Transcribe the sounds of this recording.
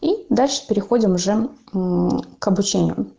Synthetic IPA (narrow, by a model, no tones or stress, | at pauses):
id̪alʲʂɨ̥pʲɪɾʲɪxo̞dʲɪmʊʐɛ | kɐbʊt͡ɕenʲɪ̰jʊ̰